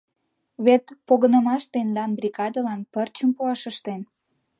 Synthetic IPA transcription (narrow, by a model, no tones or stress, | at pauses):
βet̪poɣənəmɑʃt̪end̪ɑnbrʲiɣɑd̪əlɑnpərt͡ɕəmpuɑʃəʃt̪en